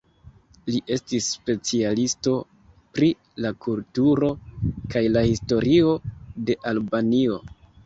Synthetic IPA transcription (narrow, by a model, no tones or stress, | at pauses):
liʔe̞stisːpe̞t͡sialisto̞ | pɾi | lakultuɾo̞kajlahisto̞ɾio̞de̞ʔalbanio̞